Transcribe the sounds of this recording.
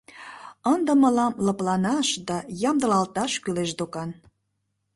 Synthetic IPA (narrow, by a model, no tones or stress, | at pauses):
ənd̪ə̆mə̆lɑmlə̆plɑnɑʃd̪ɑjɑmd̪ə̆lɑlt̪ɑʃkyleʃd̪okɑn